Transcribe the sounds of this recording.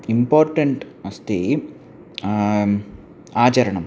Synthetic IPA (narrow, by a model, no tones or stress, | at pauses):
impoːɾʈɐɳʈɐst̪i | aːt͡ɕɐɾɐɳɐm